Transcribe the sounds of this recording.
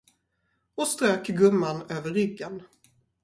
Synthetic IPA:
ɔst̪ɾøːkɡɵmːanøːvəɾːʏɡːən

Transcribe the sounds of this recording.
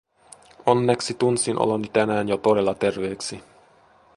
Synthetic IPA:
onːɛksit̪unsinʔo̰lonit̪ɛnæːɲot̪oɾɛlɑt̪ɛrʋeːksi

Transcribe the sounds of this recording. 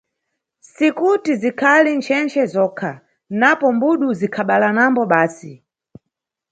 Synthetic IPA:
sikutizikʰalint͡ʃʰɛnt͡ʃʰɛzɔːkʰa | napɔmbuɗuzikʰaɓalanambɔɓaːsi

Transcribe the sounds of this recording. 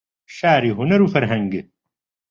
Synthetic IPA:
ʃaːɾiɦʊnɐɾufɐɾɦɐ̃ŋɡe

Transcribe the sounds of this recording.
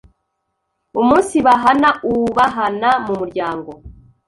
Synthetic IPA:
umuːnsiβaɦanauβaɦanamumuɾɟaːŋɡo̞

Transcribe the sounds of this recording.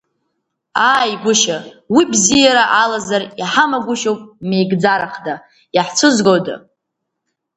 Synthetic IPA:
aːjɡʷʊʃawibzijaɾaʔalazariħamaɡʷʊʃowpʼmejɡd͡zaɾaχda | jaħt͡sʷʰɨzɡowdɨ̰

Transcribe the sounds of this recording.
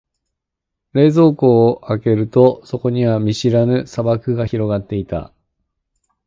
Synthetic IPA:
ɾe̞ːzo̞ːko̞ːʔake̞ɾɯ̟t̪o̞so̞ko̞ɲ̟iβamʲiɕiɾanɯ̟sabakɯ̟ɡaçiɾo̞ɡat̪ːe̞it̪a̰

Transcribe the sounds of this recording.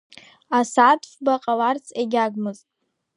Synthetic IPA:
asatʰʼfʷbaqʼalart͡sʰeɡʲaɡʷmɨztʼ

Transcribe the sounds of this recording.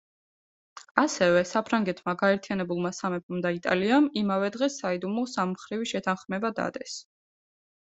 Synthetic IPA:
asɛvɛsapʰɾaŋɡɛt̪ʰmaɡaɛɾt̪ʰijanɛbulˠmasamɛpʰɔmd̪ait̪ʼa̰liamimavɛd̪ʁɛsaid̪umɔsamχɾiviʃɛt̪ʰanχmɛbad̪a̰d̪ɛs

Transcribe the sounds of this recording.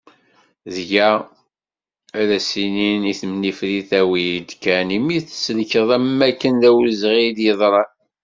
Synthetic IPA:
ðʝæ | æɾæsininiθmnifɾiθæwid̪kænimiθsləkəðˤæmːækːənðæwzʁid̪jəðˤɾˤɑ

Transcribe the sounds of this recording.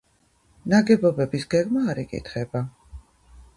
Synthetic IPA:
naɡɛbɔbɛbisɡɛɡmaːɾikʼḭt̪ʰχɛba

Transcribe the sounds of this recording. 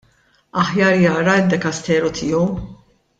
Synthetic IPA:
ɐħjɐːɾjɐːɾɐɪd̪ːɛkɐst̪ɛːɾɔt̪ʰɪːɔw

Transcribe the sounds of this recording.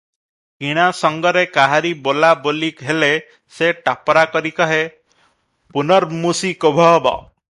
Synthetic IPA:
kiɽ̃asɔŋɡɔɾekaɦaɾibolabolikɦele | seʈapɔɾakɔɾikɔɦe | punɔɾmusikobʱɔbɔ̰

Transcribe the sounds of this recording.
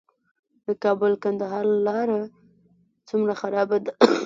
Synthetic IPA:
d̪əkɑbʊlkand̪aɦɑɾlɑɾa | t͡sumɾaxaɾɑbad̪a

